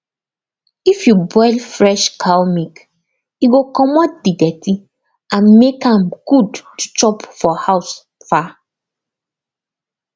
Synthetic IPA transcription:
ifjubɔɪlfɹɛʃkʰalmik | iɡokɔmɔt̚didɛti | ãnmekãmɡ̥udtu̥t͡ʃɔpfɔhaʊs | fa

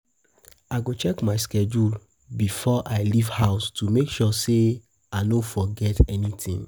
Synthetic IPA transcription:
aɪɡot͡ʃɛkmaɪskɛd͡ʒul | bifɔʔaɪlivhaʊstumekʃɔse | aɪnõfɔɡɛtɛnitʰĩŋ

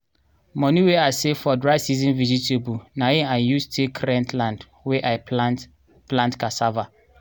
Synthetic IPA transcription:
mɔ̃niweaɪsefɔdɹaɪsizĩnvizitʰebunaẽãjustʰekʰɹɛ̃ntʰlãnd | wɛʔaɪ | plãntkasava

